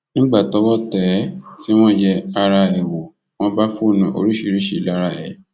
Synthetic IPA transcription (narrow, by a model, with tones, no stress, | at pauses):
nĩ˦ɡ͡ba˦˨tɔ˨˦wɔ˦tɛ˨˦ti˦w̃ɔ̃˦jɛ˧a˧ɾa˧ɛ˨wo˨ | w̃ɔ̃˦ba˦fu˦˨nã˨ʔo̰˧ɾi˦ʃi˧˦ɾi˦ʃe˨la˦ɾa˧ɛ˨